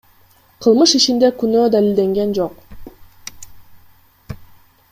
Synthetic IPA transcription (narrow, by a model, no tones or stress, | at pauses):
qʰɯlˠmɯʃit͡ʃind̪e̞kynøːd̪alʲild̪e̞ŋɡe̞nd͡ʒo̞q